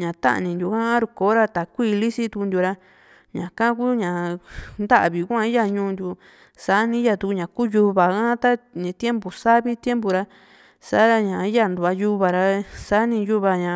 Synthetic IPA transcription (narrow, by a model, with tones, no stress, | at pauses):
ɲã˨t̪a̰˦ʔnĩ˧nd̪ʲu˧˨kã˦ã˦ɾu˧koː˨˦ɾa˧t̪a˨kʷiː˦˧li˦si˦t̪u˧knd̪ʲu˧ɾa˧ | ɲã˨kã˦ku˦ɲã˨nd̪a˦ʔβi˨kʷã˦˧i˦ja˧ɲũː˧˦˧nd̪ʲu˧ | sa˨˦nĩ˧˦ja˧t̪u˧ku˧ɲã˨ku˦ju˧βa˨kã˦t̪a˦ɲĩ˨˧t̪je˦mbu˨sa˦βi˦t̪je˦mbu˨ɾa˧ | sa̰˦a˧ɲã˨i˦ja˦˧nd̪u˨˧a˧ju˧βa˨ɾa˧sa˦nĩ˧ju˦βa˧ɲã˨